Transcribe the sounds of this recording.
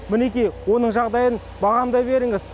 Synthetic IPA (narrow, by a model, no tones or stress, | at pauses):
mɪne̞kʲijwo̞nəɴʒɑʁd̪ɑjən | bɑʁɑmd̪ɑjbe̞ɾɪŋɪz